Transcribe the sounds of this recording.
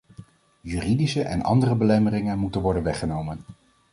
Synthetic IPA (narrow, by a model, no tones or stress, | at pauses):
jyːridisəʔɛnɑ̰ndərəbəlɛmərɪŋənmutənʋɔɹdənʋɛχənowmən